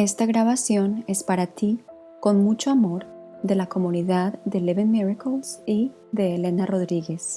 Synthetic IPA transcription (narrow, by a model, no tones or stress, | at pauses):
e̞st̪aɣɾaβasjo̞ne̞spaɾat̪i | ko̞nmut͡ʃoamo̞ɾ | ðe̞lako̞muniðaððe̞leβenmiɾakolsi | ðe̞ːle̞naro̞ðɾiɣe̞s